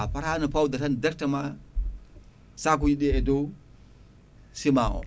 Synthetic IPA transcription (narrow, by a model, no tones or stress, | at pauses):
apaɾanipawdatandak̚tama | sak̬ujiɗeedo | simao̰